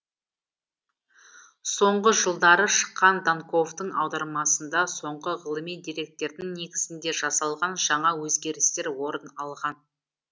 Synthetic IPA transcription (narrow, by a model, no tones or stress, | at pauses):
so̞ɴʁəʒəlˠd̪ɑɾəʃə̥qːɑnd̪aŋko̞vt̪əɴɑ̰wd̪ɑɾmɑsənd̪ɑso̞ɴʁəʁəlˠəmijd̪ijɾe̞k̚t̪e̞ɾd̪ɪŋne̞ɡʲɪzɪnd̪e̞ʒɑsɑlˠʁɑnʒɑɴɑwɵzɡʲe̞ɾɪst̪e̞ɾwo̞ɾənɑlˠʁɑn